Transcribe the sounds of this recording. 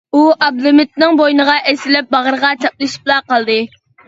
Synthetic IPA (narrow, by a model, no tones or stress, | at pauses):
uʔɑb̚lˠɨmɪt̪̚nɪŋbojnəʁɑʔesɪlɪp̚bɑʁəɾəʁɑt͡ʃʰɑp̚lˠɨʃi̥p̚lˠɑqɑlˠd̪ɨ